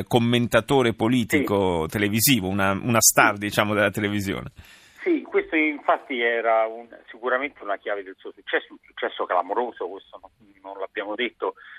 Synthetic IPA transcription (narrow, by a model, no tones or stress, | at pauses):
komːent̪at̪oːɾepoliːt̪ikot̪eleviziːvounaṵnast̪ard̪it͡ʃaːmod̪elːat̪elevizjo̰ːne | sikːwest̪oiɱfat̪ːiɛːɾaunsikuɾament̪ʰeunakjaːved̪elsuːosut͡ʃːɛsːounsu̥t͡ʃːɛsːokelamoɾoːzokwest̪ononːonlabːjaːmod̪et̪ːo